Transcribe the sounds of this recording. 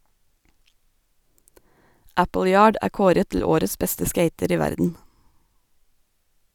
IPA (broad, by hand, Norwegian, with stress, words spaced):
ˈæpl̩ˌjɑːɖ ˈʔæː ˈkoːɾət tl̩ ˈoːɾəs ˈbɛstə ˈskeɪtəɾ ˈiː ˈʋæɾdn̩